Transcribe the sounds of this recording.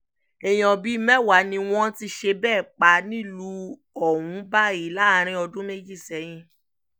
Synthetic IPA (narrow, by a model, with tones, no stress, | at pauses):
ɛ˨j̃ɔ̃˨bi˨˦˧mɛ˦˨wa˨˦nĩ˧w̃ɔ̃˦ti˧ʃe˧bɛː˦˨k͡pa˨˧˦nĩ˦˨lu˧˦ | ɔ˦˨wũ˨˦ba˦i˨˦la˦˨˦ɾ̃ĩ˧˦ɔ˧dũ˦me˦d͡ʒi˦˨sɛ˨˦j̃ĩ˧